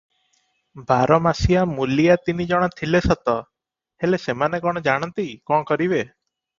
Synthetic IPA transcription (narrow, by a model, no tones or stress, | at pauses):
baɾɔmasijamulijat̪inid͡ʒɔɽ̃ɔt̪ʰilesɔt̪ɔ | helesemanekɔɽ̃ɔd͡ʒaɽ̃ɔnt̪ikɔ̃ɔkɔɾibe